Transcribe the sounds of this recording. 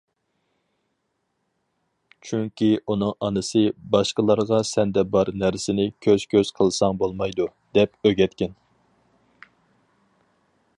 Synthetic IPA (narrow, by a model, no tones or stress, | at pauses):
t͡ʃʰyŋkʲiunɨŋʔɑnɨsɨbɑʃqəlˠɑɾʁɑsɛnd̪ɛbɑɾnæɾsɪnɪkʲʰøz̥kʲʰøz̥qʰəlˠsɑŋbolˠmɑjd̪u | d̪̥ɛpøɡʲɛt̪kʲɛn